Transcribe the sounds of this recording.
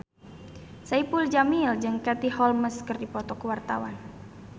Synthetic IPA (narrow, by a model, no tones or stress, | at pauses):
saipuld͡ʒamild͡ʒɨŋkat̪ihɔlməskɨrdipɔt̪ɔkəwart̪awan